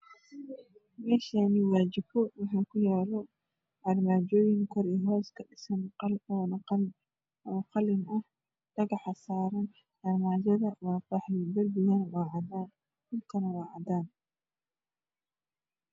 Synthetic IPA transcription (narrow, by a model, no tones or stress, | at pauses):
mɛːʃaniwaːd͡ʒɪbɔwɑħaːkʰʊjaːlɔ | ʔɐrmaːd͡ʒɔːjɪŋkʰɔɾɛːɦɔːskʰɐɖɪsɐnlɔːnn | ɔqɑlɪnɐh | d̥ɐɣɐħasaːɾɐn | d̥ɐrmaːd͡ʒɐðɐwaːfaħlɪbɐrbɪjanwaːʕɑdaːn | kʊlkʰɐnɐwɑːʕɑd̪aːn